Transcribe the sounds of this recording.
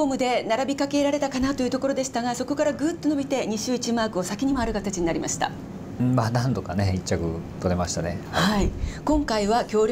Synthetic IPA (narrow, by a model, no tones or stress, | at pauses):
omɯ̟d̪e̞naɾabʲikake̞ɾaɾe̞t̪akanat̪o̞jiɯ̟t̪o̞ko̞ɾo̞d̪e̞ɕi̥t̪aɡaso̞ko̞kaɾaɡɯ̟ːt̪ːo̞nobʲit̪e̞ɲ̟iɕɨːit͡ɕimaːkɯ̟o̞sakʲiɲ̟imo̞aɾɯ̟kat̪at͡ɕiɲinaɾʲimaɕi̥t̪ã̰ | manãnt̪o̞kane̞it͡ɕːakɯ̟̰t̪o̞ɾe̞maɕi̥t̪anehaikõ̞ŋkaiβakʲo̞ːɾʲ